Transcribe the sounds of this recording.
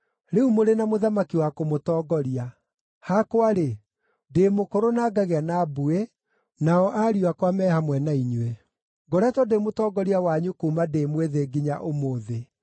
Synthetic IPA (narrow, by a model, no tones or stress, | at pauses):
ɾeumoɾenamoðamakiwakomotɔːɡɔɾia | hakwaɾe | demokoɾonaːɡaɣeanabue | naɔʔaɾiwakwamɛhamwɛnaiɲɛ | ɡɔɾɛtwɔdemotɔɡɔɾiawaɲukuːmadeːmweðeɡiɲa̰ʔomoːðe